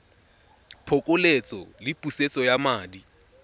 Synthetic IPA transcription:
pʰokʼʊlet͡sʼɔ̰lɪpʼuset͡sʼɔjamaːdi

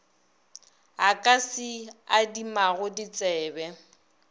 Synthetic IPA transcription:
ɦakʼasɪadimaɣʊdit͡sʼɛːbɛ

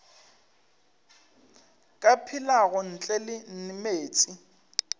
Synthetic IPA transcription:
kʼapʰilaɣʊn̩t͡ɬʼɛlɪn̩nɪmeːt͡sʼi

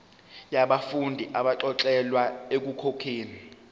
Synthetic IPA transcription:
jaɓafundʱiʔaɓaǁɔǁɛlwaek̬ukʰokʰeːni

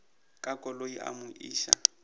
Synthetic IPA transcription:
kʼakʼɔloiʔa̰mʊʔiːʃa̰

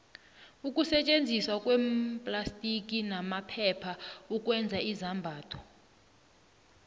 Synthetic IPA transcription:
ukʼusɛt͡ʃʼend͡zʱiswakʼwɛmpʼlastʼik̬ʼinamapʰɛpʰaukʼwɛnd͡zʱaizambʱaːtʰɔ̥

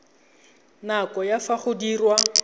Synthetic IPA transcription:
nakɔjafaχʊdiːrwa

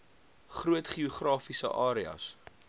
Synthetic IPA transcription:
χruətχioχrɑːfisə̰ʔɑːɾiɐ̰s

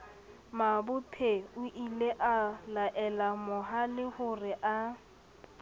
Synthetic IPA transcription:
mabʊpʰeʊʔileʔalaʔɛlamʊɦalɪhʊrɪʔa

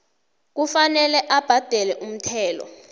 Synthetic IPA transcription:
k̬ufanɛlɛʔab̥ʱad̥ʱɛlɛʔum̩tʰɛːlɔ̰

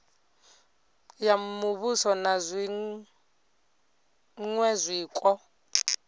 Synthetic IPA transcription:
jamuβusɔnazʷi | ŋwɛzʷiːkʼɔ

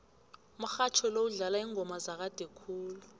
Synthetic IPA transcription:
m̩xat͡ʃʰɔlowuɮalaiːŋʱɔmazak̬ad̥ʱɛkʰuːlu

